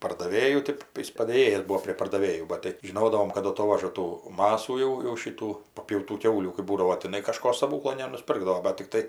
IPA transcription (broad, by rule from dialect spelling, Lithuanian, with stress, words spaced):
pɐrdɐˈʋʲeːjuː ˈtʲeːp ˈjɪs pɐdʲeːˈjeːjɛs ˈbuɔ pʲrʲiɛ pɐrdɐˈʋʲeːjuː ˈbɐt tɐɪ ʒʲɪˈnoːdɐʋoːm kɐt ɐˈtoːʋɐʒɐ ˈtuː ˈmɑːsuː jɛʊ jɛʊ ʃʲiːˈtuː pɐpʲjɛʊˈtuː ˈkʲɛʊlʲuː kɜp ˈbuːdɐʋoː tʲɪˈnɐɪ kɐˈʃkoː stɐˈbuːklˠoː nʲɛnʊsʲˈpʲɪrɡdɐʋoː bɐt tʲɪkˈtɐɪ